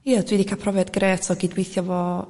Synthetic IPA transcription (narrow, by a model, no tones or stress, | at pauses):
jədwiːdikʰapʰrɔvjɛdɡɾeːtʰɔɡiːdwejθjɔvɔ